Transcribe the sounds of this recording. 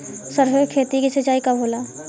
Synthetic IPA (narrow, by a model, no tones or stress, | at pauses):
sɐɾʋekʰeːt̪ikisɐt͡ʃaːikabʱoːlaː